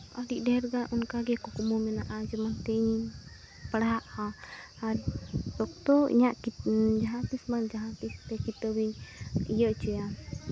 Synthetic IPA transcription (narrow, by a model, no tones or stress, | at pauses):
ɔ̰ɖiʔdɛɾɡanʔunkaɡɛkɔkɔmɔmɛnaʔad͡ʒɛmant̪ɛiɲi | pəɽaʔhã | aɾsɔk̚t̪ɔḭɲaʔd͡ʒaɦat̪ismand͡ʒaɦat̪ist̪ɛkit̪əbiɲḭjəʔt͡ʃɛja